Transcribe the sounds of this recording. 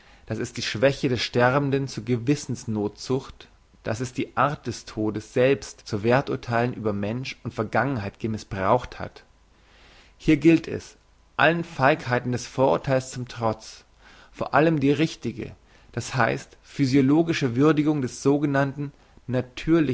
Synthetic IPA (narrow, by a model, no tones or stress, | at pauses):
d̥asɛsd̥iːʃv̥ɛçədɛsʃtɛʁbn̩dənt͡suːɐɡəvɪsn̩snoːtz̥ʊxt | d̥asɛsd̥iːʔaɐt̚d̥ɛstʰoːdəsz̥ɛlpstt͡suːveːɐtʔʊɐtʰaɪlənʔyːbɐmɛnʃʊntfɛɐɡaŋənhaɪt̚ɡ̥əmɪsb̥ʁaʊxtha̰t | hiːɐɡɪltʰɛ̰s | ʔa̰lənfaɪkhaɪtn̩dɛsfoːɐʔʊɐtʰaɪlst͡sʊmtʁ̥ɔt͡s | foːɐʔaləmdiːʁɪçtɪɡə̰ | d̥ashaɪstfyzjoloːɡɪʃəvʏɐdɪɡʊŋdɛsz̥oːɡənantn̩ | natʰyːɐlɪ